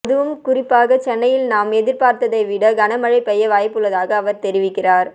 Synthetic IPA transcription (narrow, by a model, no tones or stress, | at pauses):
ðɯʋɯmkʊrɪpːaːɣɐt͡ʃɛnːɐjɪlnaːmɛðɪɾpaːɾt̪ɐðɐɪʋɪɽɐɡɐnɐmɐɻɐɪpːɛjːɐʋaːjpːɯɭːɐðaːɣɐːʋɐɾt̪ɛɾɪʋɪkːɪraːɾ